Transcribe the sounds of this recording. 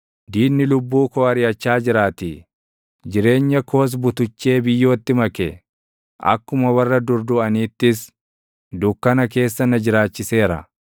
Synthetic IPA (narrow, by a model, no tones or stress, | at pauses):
d̪iːnɪlʊbːuːkɔɐɾɪjɐt͡ʃːaːd͡ʒɪɾaːt̪i | d͡ʒɪɾe̞ːɲːɐko̞ːs̬bʊt̪ʊt͡ʃːe̞ːbɪjːo̞ːt̪ːɪmɐkɛ | ʔɐ̰kːʊmɐwɐrːɐd̪ʊɾd̪ʊɐniːt̪ːɪs | d̪ʊkːɐnɐke̞ːsːɐnɐd͡ʒɪɾaːt͡ʃːɪse̞ːɾɐ̰